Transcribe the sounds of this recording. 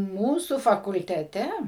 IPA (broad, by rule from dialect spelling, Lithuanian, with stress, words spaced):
ˈmuːsʊ fɐkʊlʲtʲɛˈtʲɛ